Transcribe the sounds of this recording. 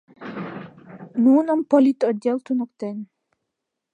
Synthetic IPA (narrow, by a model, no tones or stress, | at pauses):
nuːnɔmpɔlit̪ɔd̪ɛlt̪unukt̪ɛn